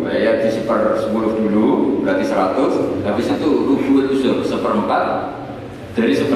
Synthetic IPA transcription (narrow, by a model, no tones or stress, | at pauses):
ajaʔt̪isəpərsəmulʊfdulubəɾat̪isəɾat̪ʊshabɪsit̪uruɡuət̪̚ːusasəpəɾəmpat̪̚ | d̥aɾisəpə